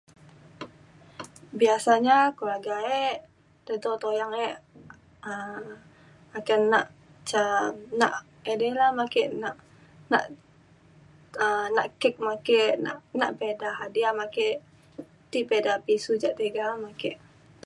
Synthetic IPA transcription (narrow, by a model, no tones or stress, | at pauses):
biasaɲakulaɡaɛʔ | d̪ɛt̪ot̪ojaŋɛʔ | ə | makɛnːaʔ | t͡ʃana̰ʔ | edɛlahmakɛʔnaʔ | na̰ʔ | ənaʔkɛk̚makena̰ʔnaʔpedaɦadiamakeʔ | t̪ipedapisud͡ʒaʔt̪eɡamakeʔ